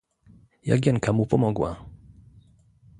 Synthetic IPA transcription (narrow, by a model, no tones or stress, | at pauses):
ja̰ɡʲɛŋkamupɔmɔɡwa̰